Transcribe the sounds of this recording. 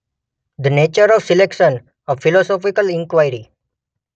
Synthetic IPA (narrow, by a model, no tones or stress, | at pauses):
d̪əneːt͡ʃəɾɔʋsɪlekʃə̃n | əfɪlɔsɔːfɪkəlɪ̃ŋkʋaɪɾi